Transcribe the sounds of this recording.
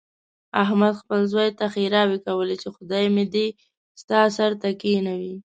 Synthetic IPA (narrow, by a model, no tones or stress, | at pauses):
aɦmad̪xpəlzwajt̪axiɾɑwekawəlet͡ʃexʊd̪ɑjmed̪e | st̪ɑsaɾt̪akinawi